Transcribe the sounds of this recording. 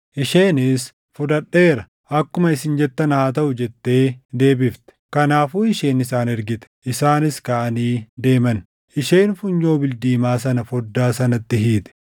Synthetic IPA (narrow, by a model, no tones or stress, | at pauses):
ʔɪʃe̞ːnɪs | fʊd̪ɐᶑːeːɾɐ | ʔɐkːʊmɐɪsɪnd͡ʒɛt̪ːɐnɐhaːt̪ɐʔʊd͡ʒɛt̪ːe̞ːd̪e̞ːbɪft̪ɛ̥kɐnaːfuːɪʃe̞ːnɪsaːnɛɾɡɪt̪ɛ̥ʔɪsaːnɪskaːʔɐniːd̪e̞ːmɐn | ʔɪʃe̞ːnfʊɲːo̞ːbɪld̪iːmaːs̬ɐnɐfɔd̪ːaːsɐnɐt̪ːɪɦiːt̪ɛ̥